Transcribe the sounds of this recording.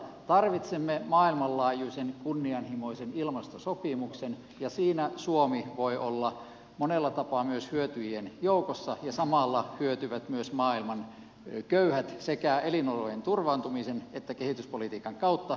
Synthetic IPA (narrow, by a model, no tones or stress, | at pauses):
t̪ɑrʋit̪semːemɑːilmɑllɑːjuːsʲenkunːiɑnhimoisenilmɑst̪osopimuksen | jɑsiːnæsuomiʋoiʔolːɑ | monelːɑt̪ɑpɑmyøshyøt̪yjenjoukosːɑjɑsɑmɑˑlːɑhyøt̪yʋæt̪myøsmɑːilmɑn | køyhæt̪sekæelinolojent̪urʋɑːnt̪umisenet̪ːækehit̪yspolit̪iːkɑŋkɑut̪ːɑ